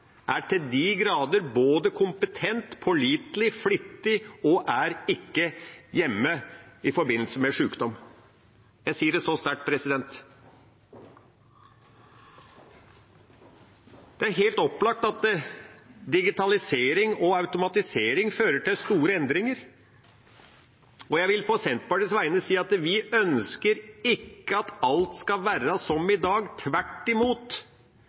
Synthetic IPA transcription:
ʔæʈʰɪld̪ɪɡɾɑːd̪əɾboːd̪əkʰʊmpət̪ʰɛnt̪pʰɔɭiːt̪lɪflʏt̪ːɪɔʔæɾɪkːəjɛmːəɪfɔɾbɪnːl̩səmɛʂʉːkd̪ɔm | jæɪsiːəɖɛsɔst̪æʈ̚pʰɾɛsɪd̪ɛnt̪ | d̪̥ɛæɾɦeːlt̪ɔpːlɑk̚t̪ɑt̪ə | d̪ɪɡɪt̪ʰɑlɪseːɾɪŋɔɑʉt̪ʊmɑt̪ɪseːɾɪŋføːɾəʈʰɪlst̪uːɾəɛnd̪ɾɪŋəɾ | ɔjæɪʋɪlpʰɔsɛnt̪̚pɑʈɪsʋæɪənəsiːɑt̪ʋɪʔœnskəɾɪkːəɑt̪ɑlt̪skɑʋæːɾəsɔmɪd̪ɑːɡt̪ʰʋæʈːɪmuːt̪

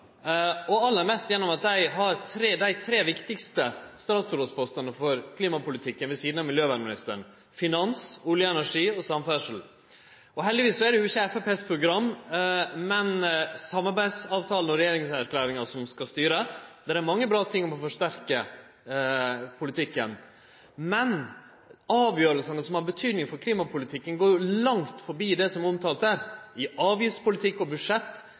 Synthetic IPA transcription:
ɔɑlːæɾmɛst̪jɛnːɔmɑt̪̚d̪æɪɦɑɾt̪ʰɾeːd̪æɪt̪ʰɾeːʋɪkt̪ɪkst̪əst̪ɑːt̪sɾoːspʰɔst̪ɑnəfɔɾkʰliːmɑpʊlɪt̪ʰɪkːənʋɛsiːd̪n̩ɑːmɪljøːʋæːɖmɪnɪst̪ə̰ɳ̩ | fɪnɑnsuːljəɛnæʂiːɔsɑmfæʂəl̩ | ɔɦɛld̪ɪʋiːsːɔæɖɛʉːɪçəɛfæpeːspʰɾʊɡɾɑmː | mɛnsɑmːɑɾbæɪsɑːʋt̪ʰɑːlən̩ɔɾɛjeːɾɪŋsæɾklæːɾɪŋɑsɔmskɑst̪yːɾəd̪ɛɾæɾmɑŋːəbɾɑːt̪ʰɪŋːɔmɔfɔʂt̪æɾkə | pʰʊlɪt̪ʰɪkːən | mɛn | ɑːʋjøːɾəlsənəsɔmhɑɾbət̪ʰyːd̪nɪŋfɔɾkʰliːmɑpʰʊlɪt̪ʰɪkːənɡoːɾjʊlɑŋt̪fɔɾbiːd̪ɛsɔmɾɔmt̪ʰɑːlt̪æːɾɪɑːʋjɪfspʰʊlɪt̪ʰɪkːɔbʉdʂɛt̪ː

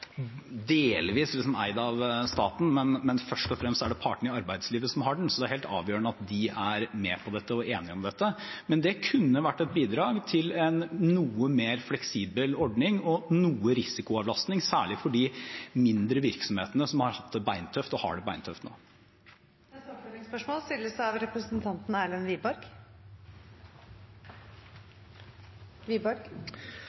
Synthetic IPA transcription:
d̪eːlʋiːslɪsɔmæ̰ɪd̪ɑʋst̪ɑ̰ːt̪n̩mɛnmɛnfœʂʈɔfɾɛmst̪æɖɛpʰɑːʈəɳ̩ɪɑɾbæɪd̪sliːʋəsɔmɦɑːɖn̩sɔd̪ɛæɾheːlt̪ɑ̰ːʋjøːəɳəɑt̪d̪ɪæɾmɛpʰɔd̪ɛt̪ːəɔeːnɪɔmd̪ɛt̪ːəmɛnd̪ɛkʰʉnːəʋæʈːɛt̪̚biːd̪ɾɑːɡt̪ʰɪlɛnːuːəmeːɾflɛksiːbəlɔɖnɪŋɔnuːəɾɪsɪkʊɑʋlɑst̪nɪŋsæ̰ːɭɪfɔɖimɪnd̪ɾəʋɪɾksɔmheːt̪ənəsɔmhɑɾhɑt̪ʰːəbæɪnt̪ʰœft̪ɔhɑ̰ːɖɛbæɪnt̪ʰœft̪no̰ː | ɛfɛlɪŋspœʂmolst̪ɪlːəsæɑʋɾɛpɾəsənt̪ʰɑnt̪n̩æːlənʋiːbɑɾɡ | ʋiːbɑɾɡ

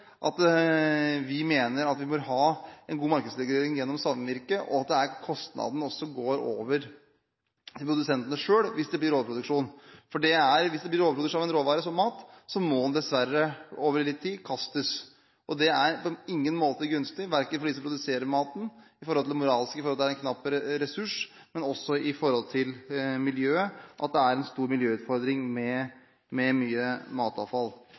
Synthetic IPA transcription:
ʔɑ̰t̪ | ʋɪmeːnəɾɑt̪ʋɪmɔɾɦɑːɛnɡuːmɑɾkəd̪slɛɡɾeːɾɪŋjɛnːɔmsɑlmʋɪɾkəʔɔ̰ɑt̪̚d̪ɛæɾkʰɔst̪nɑ̰d̪n̩ɔsːɔɡoːɾo̰ːʋəɾ | t̪ʰɪlpʰɾʊd̪ʉsɛnt̪ənəʂøːɽʋɪsd̪ɛblɪɾoːd̪pʰɾʊd̪ʉkʂuːnfɔɖɛæɾʋɪsd̪ɛblɪɾoːəpɾʊd̪ʉʂɑʋɛnɾoːʋɑːɾəsɔmːɑːt̪sɔmɔɛnd̪ɛsʋæɾəoːʋəɾlɪt̪ʰːiːkʰɑst̪əs | ʔɔd̪ɛæɾpɔɪŋːənmoːt̪əɡʉnst̪ɪʋæɾkənfɔɖisɔmpɾʊd̪ʉseːɾəɾmɑːt̪n̩ɪfɔɾɔlɪɛmʊɾɑːlɪskəɪfɔɾɔlɪɾɛnkʰnɑpːəɾəɾɛsʉʂ | mɛnɔsːɔɪfɔɾhɔlt̪ʰɪlmɪljøːəʔɑt̪̚d̪ɛæɾɛnst̪uːɾmɪljøːʉːt̪fɔɾd̪ɾɪŋmɛ | mɛmyːəmɑːt̪ɑ̰ːʋfɑl

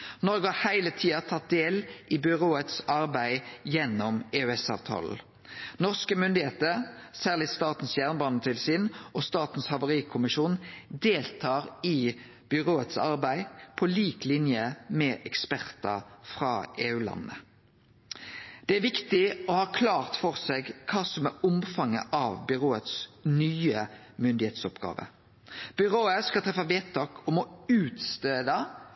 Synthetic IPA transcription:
nɔɾɡəhɑʁhæɪlət̪ʰiːɑt̪ʰɑt̪̚d̪eːlʔɪbʏʁoːət̪sɑɾbæɪjɛnːɔmeːʉɛsɑ̰ːʋt̪ʰɑ̰ːl̩ | nɔʁskəmʏnd̪ɪheːt̪əɾsæːʁlɪst̪ɑːt̪n̩sjæːʁnbɑːnət̪ʰɪlsɪːnʔɔst̪ɑːt̪n̩shɑʋʊʁiːkʰʊmɪʃuːnd̪eːlt̪ʰɑːʁɪ | b̥ʏʁoːət̪sɑ̰ʁbæɪpʰɔliːklɪnjəmɛʔɛkspæʁt̪ɑfʁɑːʔeːʉːlɑ̰nːə̰ | d̪̥ɛæʋɪkt̪ɪɔhɑːkʰlɑːʁt̪fɔʁseːɡkʰɑːsɔmæʊmfɑŋːəʔɑʋbʏʁoːət̪snyːə | mʏnd̪ɪheːt̪sɔpɡɑ̰ːʋə̰ | b̥ʏʁoːəskɑt̪ʰɾɛfɑʋeːtt̪ʰɑːkʰɔmɔʉːt̪st̪eːd̪ɑ

